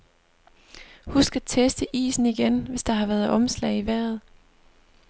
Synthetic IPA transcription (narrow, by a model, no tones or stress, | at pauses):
husɡ̥æt͡sʰesd̥əʔḭːsn̩iɡ̥enʋe̝sd̥ɑ̈hɑ̈ʋæːɐð̩ˠʔɒ̽mslɛ̰ɪiʋæɐ̰ð̞̩ˠ